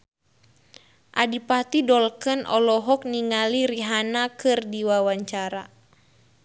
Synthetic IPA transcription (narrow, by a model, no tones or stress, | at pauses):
ʔadipat̪idɔlkənʔɔ̰lɔɦɔk̚niŋaliɾiɦanakɨrdiwawaɲt͡ʃaɾa